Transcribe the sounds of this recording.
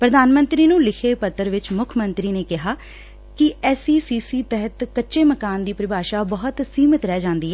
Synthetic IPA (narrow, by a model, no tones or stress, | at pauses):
pɾəd̪aːnmə̃nt̪ɾiːnũːlɪkʰeːpət̪ːəɾʋɪt͡ʃmʊkʰmənt̪ɾiːneːkɪɦaː | kɪɛːsiːsiːsiːt̪ɛɦət̪kətːʃeːməkaːnd̪iːpɾɪbaːʃaːbəɦʊt̪siːmət̪ɾɛːd͡ʒãːnd̪iːɦɛː